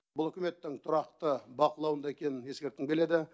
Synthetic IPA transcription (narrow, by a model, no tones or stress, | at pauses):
bʊlˠɵkʲɪme̞t̪ːɪŋt̪ʰʊɾɑq̚t̪əbɑqəlˠɑwənd̪ɑekʲe̞nɪnje̞skʲe̞ɾt̪ːɪŋbe̞le̞d̪ɪ